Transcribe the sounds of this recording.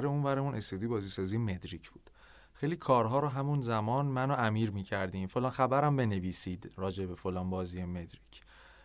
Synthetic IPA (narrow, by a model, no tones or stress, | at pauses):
ɾeunvæɾemunʔe̞st̪ed̪ijbɒːziːsɒːziːjeme̞d̪ɾicʰb̥uːd̪̥ | xejliːkʰɒːɾɦɒːɾɔɦæmunzæmɒːnmænoæmiːɾmiːcʰæɾd̪iːmfo̞lɒːnxæbæɾæmbe̞ne̞viːsiːd̪ɾɒːd͡ʒe̞be̞fo̞lɒːnbɒːziːjemed̪ɾicʰ